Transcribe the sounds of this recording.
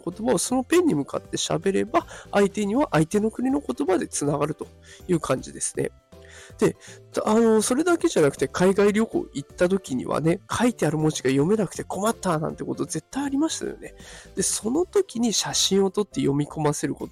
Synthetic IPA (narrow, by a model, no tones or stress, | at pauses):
ko̞t̪o̞baoso̞no̞pẽ̞ɲ̟ːimɯ̟ka̰t̪ːe̞ɕa̰be̞ɾe̞baːit̪e̞ɲ̟iβaʔait̪e̞no̞kɯ̟ɾʲino̞ko̞t̪o̞bad̪e̞t͡sɨnaɡaɾɯ̟t̪o̞ | jɯ̟ːkʰãɲ̟d͡ʑid̪e̞sɨ̥ne̞̰ | d̪̥e̞ano̞so̞ɾe̞d̪ake̞ʑanakɯ̟t̪e̞kʰaiɡaiɾʲo̞ko̞̰it̪ːat̪̬o̞kʲiɲ̟ḭβa̰ne̞kʰait̪eaɾɯ̟mo̞t͡ɕi̥ɡajo̞me̞nakɯ̥t̪e̞ko̞mat̪ːaːnã̰nt̪ːe̞ko̞t̪o̞ze̞t̪ːaiaɾʲimaɕi̥t̪a̰jo̰ne̞d̪̥e̞so̞no̞t̪o̞kʲiɲ̟iɕaɕĩɰ̃o̞t̪o̞t̪ːe̞jo̞mʲiko̞mase̞ɾɯ̟kot̪o